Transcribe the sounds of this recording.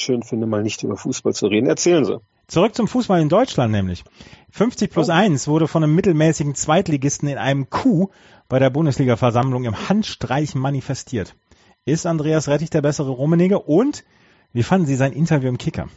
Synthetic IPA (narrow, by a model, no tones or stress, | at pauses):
ʃøːnfɪndəmaːlnɪçtʔy̰ːbɐfuːsb̥alt͡suʁeːdn̩ɛɐt͡sɛːlənzḭ | t͡suʁʏk̚t͡sʊmfuːsb̥alɪndɔʏt͡ʃlantnɛ̰ːmlɪ̰çfʏnft͡sɪçpʰl̥ʊsʔaɪnsv̥ʊɐɾəfɔndemːɪtl̩mɛːsɪɡŋ̩t͡sv̥aɪtliɡɪstn̩ɪnʔa̰ɪnəmkʰuː | b̥aɪɾeːɐbʊndəsliːɡafɛɐzamlʊŋɪmhantʃtʁ̥aɪçmanifɛstʰiːɐt | ɪstandʁeːasʁɛtɪçd̥eːɐbɛsəʁəʁoːmɪnɪɡəʔʊnt | viːfandn̩ziːzaɪnʔɪntɐvjuːɪmkʰɪkɐ̰